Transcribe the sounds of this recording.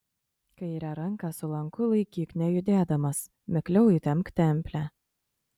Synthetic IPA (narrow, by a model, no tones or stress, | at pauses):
kɐɪiːɾɐɾɐŋkɐsʊlˠɐŋkʊlˠɐɪkʲiːknʲɛjʊd̪ʲeːd̪ɐmɐs | mʲɪklʲɛʊit̪ʲɛmkt̪ʲɛmʲpʲlʲæː